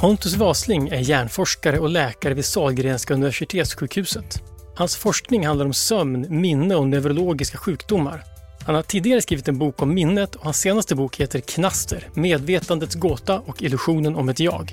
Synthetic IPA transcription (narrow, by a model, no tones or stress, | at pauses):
pʰɔnt̪ɵs̬vɑːslɪŋæɾjæːɳfɔʂkaɾəɔlɛːkaɾəvɪd̪sɑːlɡɾeːnskaɵnɪvæʂɪt̪ʰeːt̪sɧʉːkhʉ̟ːsət̪ | hansfɔʂknɪŋhand̪aɾɔmsœmnmɪnːəɔnœvɾʊloːɡɪskaɧʉ̟ːkd̪ʊmːa̰ɾ | hanhaʈʰiːd̪ɪɡaɾəskɾiːvɪt̪ɛnbuːkɔmːɪnːət̪ʰɔhansːeːnast̪əbuːkheːt̪əɾkʰnast̪ʰəɾmeːd̪veːt̪and̪ət̪sɡoːt̪aʔɔkɪlɵɧuːnənɔmɛt̪jɑ̰ːɡ